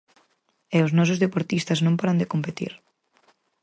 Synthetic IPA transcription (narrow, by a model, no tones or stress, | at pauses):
ɛʊsnɔs̬ʊzðepoɾt̪ist̪ɐznõmpaɾɐnd̪ekompet̪ḭɾ